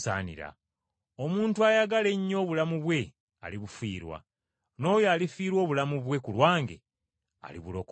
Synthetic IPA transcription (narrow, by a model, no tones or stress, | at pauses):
sa̰ːnḭɾa̰ | omuːntuajaɡale̞ɲːo̞ːβulamuβwe̞ | a̰liβufiːɾwa̰ | no̞ːjoalifiːɾwo̞ːβulamuβwe̞kulwaːŋɡe̞̰ | a̰lḭβulo̞k